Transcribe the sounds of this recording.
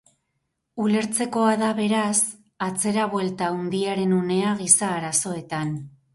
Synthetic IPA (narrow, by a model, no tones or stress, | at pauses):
ule̞ɾt͡se̞ko̞aðaβe̞ɾas | at͡se̞ɾaβwe̞lt̪aund̪iaɾe̞nune̞aɣisaːɾaso̞e̞t̪an